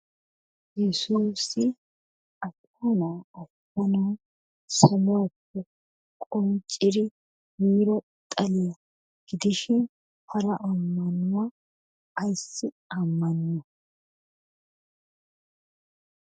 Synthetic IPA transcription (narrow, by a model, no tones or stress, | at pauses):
jɛsuːsɪ | ɐtː | ɔnaɐf | ɐnɐː | sɐmʊwapːɛ | kʼɔnt͡ʃʼɪd̪ɪ | miːɾɔ | t̪ʼɐlɪjɐ | ɡ̥ɪd̪ɪʃɪn | hɐɾɐʔɐmːɐnʊwaː | jsːɪ | ɐmːɐnːɐ